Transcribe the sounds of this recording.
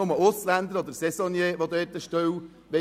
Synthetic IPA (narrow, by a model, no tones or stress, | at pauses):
ʊməʊslænd̪əɾɔd̪əɾsɛsɔnjeːʋod̪ɛːt̪əʃtœw | ʋɛ